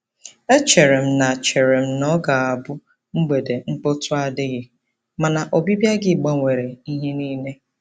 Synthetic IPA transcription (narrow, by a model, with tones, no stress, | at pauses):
e˦t͡ʃe˨ɾe˨m̩˦na˨t͡ʃe˨ɾe˨m̩˦nɔ˦ɡa˨a˨bʊ˦ | ŋ͡m̩˦ɡ͡be˨de˨ŋ͡m̩˦k͡pʊ˦tʰʊ˦a˦dɪ˦ɣɪ˦ | ma˨na˨ʔo˨bi˦bja˦ɡɪ˦˨ɡ͡ba˦ŋʷe˨ɾe˨i˦ɦe˦niː˦ne˦